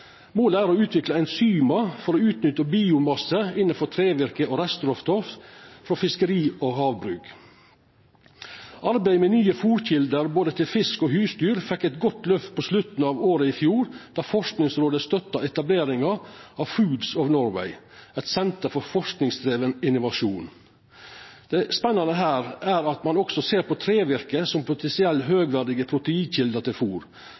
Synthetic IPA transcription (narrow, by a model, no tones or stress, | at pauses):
moːləæːɾoʉːt̪ʰʋɪklɑæɪnsyːmɑfɔɾoːʉːt̪nʏt̪ːəbiːʊmɑsːəɪnːənfɔt̪ʰɾeːʋɪɾkəoːɾɛst̪ɾɔft̪ʰɔffɾɔfɪskəɾiːoːɦɑːʋbɾʉːk | ʔɑɾbæɪmɛnyːəfuːɾçɪld̪əɾboːd̪ət̪ʰɪlfɪskoːhʉːst̪yːɾfɛkːɛt̪ɡɔt̪lœft̪̚pʰoslʉt̪n̩ɑːʋoːɾəɪfjuːɾd̪̥æːfɔʂknɪŋsɾoːd̪əst̪œt̪ːɑɛt̪ɑbleːɾɪŋɑɑʋfʉːd̪sɑʋnɔɾʋæ̰ɪ | ɛt̪sɛnt̪əɾfɔɾfɔʂknɪŋst̪ɾeːʋənɪnʊʋɑʂuːn | d̪̥ɛspɛnːɑnəɦæːɾæːɾɑt̪mɑnɔksɔseːɾpɔt̪ʰɾeːʋɪɾkəsɔmpʰʊt̪ʰɛnsɪɛlːɦøːɡʋæːɖɪɡəpʰɾʊt̪əiːnçɪld̪ət̪ɪlfuːɾ